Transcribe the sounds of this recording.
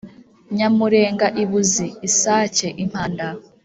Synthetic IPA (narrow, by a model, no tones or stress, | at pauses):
ɲamuɾe̞ːŋɡaʔiβuziːsaːceʔim̥haːnda